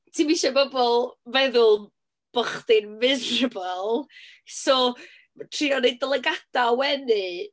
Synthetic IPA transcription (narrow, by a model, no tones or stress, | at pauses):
tʰimiʃɛbɔbɔlˠvɛðʊlˠ | b̥ɔχdɪnmɪzɹəbəlˠ | sɔ | matʰriːɔned̚ɛlˠɛɡad̥awɛnɨ